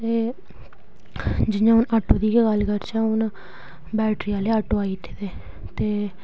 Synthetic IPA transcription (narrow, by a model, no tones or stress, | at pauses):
eː | d͡ʒɪjãːʊnəʈːoːd̪iːkeɡəlkəɾt͡ʃãːʊn | bɛːʈɾiːaːleːəʈoːaːiːt̪ʰːed̪eː | t̪eː